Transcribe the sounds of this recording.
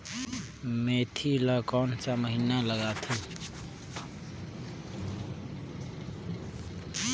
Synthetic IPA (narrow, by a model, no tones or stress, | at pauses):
met̪ʰiləkɔnt͡ʃaməɦinaləɡat̪ʰəl